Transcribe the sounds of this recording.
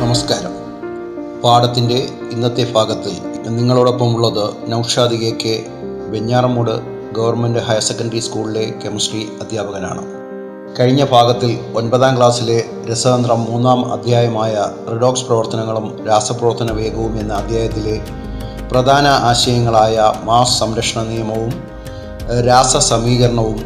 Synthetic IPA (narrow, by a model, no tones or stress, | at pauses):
nɐmɐskaːɾɐm | paːɽɐt̪ːinde̞ | ind̪ɐt̪ːebʱaːɡɐt̪ːilniŋːɐɭuːɽo̞pːɐmuɭːɐðɨnɐwʂaːd̪iɣeːkːe | ʋeɲːaːrɐmuɽɨ | ɡɐʋɐrnme̞ndɨɦɐjse̞kːɐndɐriskuːɭile̞kemɐsriɐd̪ʱjaːbɐɣɐna̰ːɳɨ̰ | kɐɻiɲːɐbʱaːɡɐt̪ːilo̞nbɐðaːmkɭaːsile̞ | ɾesɐɐnd̪rɐmːuːnːaːmɐ̰d̪ʱjaːjɐmaːjɐtriɽo̞ːksprɐʋɐrt̪ɐnɐŋːɐɭumɾaːsɐprɐʋɐrt̪ʰːɐnɐʋe̞ːɡɐʋume̞nːɨɐd̪ʱjaːjɐt̪ːile̞ | prɐd̪ʱaːnɐʔaːɕɐjɐŋːɐɭaːjɐmaːssɐmɾɐkʂɐɳɐnijɐmɐʋum | ɾaːsɐsɐmiːɣɐɾɐɳɐʋum